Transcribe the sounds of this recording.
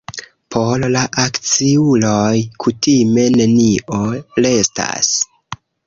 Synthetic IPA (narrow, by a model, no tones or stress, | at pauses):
pʰollaʔakt͡siulojkʰutime̞ne̞niole̞sta̰s